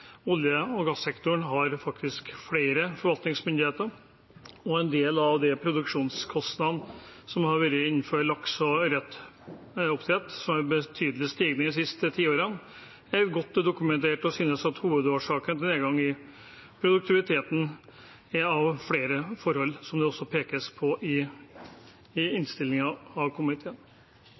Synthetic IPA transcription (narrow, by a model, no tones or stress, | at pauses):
ʊljəɔɡɑsːɛkt̪ʊɳɦɑɾfɑk̚t̪ɪskfɽeɪɾəfɔɾʋɑlt̪nɪŋsmʏnd̪ɪheːt̪əɾ | ɔɛnd̪eːlɑʋd̪ɛpʰɾʊd̪ʉkʂuːnskʰɔst̪nɑd̪nsɔmhɑɾʋɛɾəɪnːføːɾlɑksɔɾɛt̪ː | ʊpt̪ʰɾɛt̪ːsɔmæɾbət̪ʰyːd̪əlɪst̪iːɡnəɪs̬ɪst̪ət̪ʰiːoːɾən | æɾɡɔt̪ːd̪ʊkʉmɛnt̪ʰeːʈɔsyːnəsɑt̪huːʋəd̪oːʂɑːkənt̪ɪleːəɡɑŋːɪ | pʰɾʊd̪ʉk̚t̪ʰɪʋɪt̪ʰeːt̪n̩ | ɛɑʋfɽeːɾəfɔɾhɔlːsɔmd̪ɛɔsːɔpʰeːkəspʰɔʔɪ | ɪnst̪ɪlːɪŋɑɑʋkʰʊmnɪt̪ʰeːən